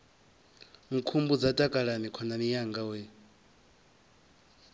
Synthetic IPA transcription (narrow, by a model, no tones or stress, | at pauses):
ŋ̩kʰumbud͡zatʼakʼaɺanikʰɔnamijaŋɡawe